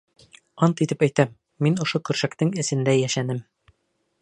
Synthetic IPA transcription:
ɑnt̪it̪ɘpæjt̪æmː | inŏʃokʉ̆ɾʃækt̪ɘŋɘ̆sɘ̆nd̪æjæʃænɘm

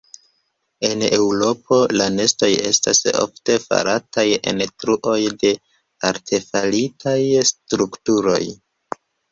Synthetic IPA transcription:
e̞ne̞wɾo̞po̞lane̞sto̞je̞̰sta̰so̰fte̞fa̰ɾʔataje̞̰ntɾuʔo̞jde̞ | aɾtʰe̞falitʰajstɾuktuɾo̞̰j

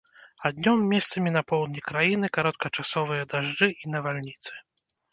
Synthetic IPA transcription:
ad̪ʲnʲɔmːʲɛst̪sɐmʲinɐpɔwd̪nʲikɾajinɨkaɾɔt̪̚kɐt͡ʂasɔvɨjɐd̪aʐd͡ʐɨʔinɐvalʲnʲit̪sɨ̥

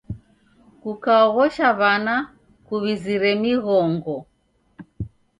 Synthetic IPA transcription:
kukaɔɣɔʃaβana | kuβiziɾɛmiɣɔŋɡɔ

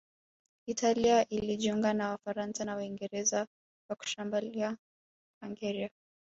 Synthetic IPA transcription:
italiaʔiliʄiuŋɡanawafaɾansanawaiŋɡɛɾɛza | waku̥ʃambulia | aŋɡɛɾia

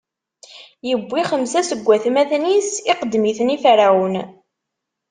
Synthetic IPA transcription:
jəbʷːiχəmsæsəɡʷːæθmæðnisiqəd̪ːmiθənifɾæwən

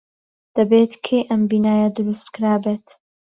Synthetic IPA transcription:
d̪̥ɐbeːt̪kʰejʔɐmbiːnaːjɐd̪ʊɾust̪kɾaːbeːt̪

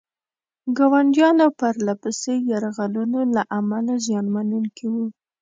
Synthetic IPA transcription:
ɡɑwaɳɖjɑnawpaɾlapəsejaɾaɣalunolaʔamalazjɑnmanuŋkʰiwu

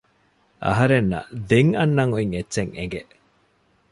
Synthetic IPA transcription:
ʔɐ̰ɦɐɾenːɐ̰d̪eŋɐnːɐŋuiŋetːt͡ʃeŋḛŋɡeʔ

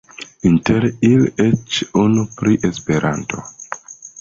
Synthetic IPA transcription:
inteɾilet͡ʃunupɾiʔe̞spe̞ɾʔa̰nto̞̰

